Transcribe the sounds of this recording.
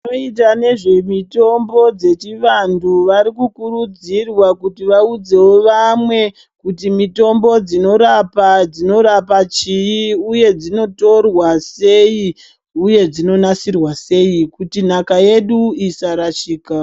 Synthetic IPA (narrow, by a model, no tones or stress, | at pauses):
oitane̞ʐe̞mito̞mbo̞d͡ze̞t͡ʃiʋandʰuʋaɾikukuɾud͡zirwakutiʋaud͡ze̞woʋamwe̞ | kutimito̞mbo̞d͡zino̞ɾapad͡zino̞ɾapat͡ʃijiuje̞d͡zino̞to̞rwase̞i | uje̞d͡zino̞nasirwase̞ikutin̤akaje̞ɗuisaɾaʃiːka